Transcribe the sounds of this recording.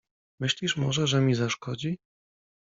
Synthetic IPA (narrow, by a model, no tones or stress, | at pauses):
mɘɕlʲiʂmɔʐɛʐɛmʲizaʂkɔd͡ʑi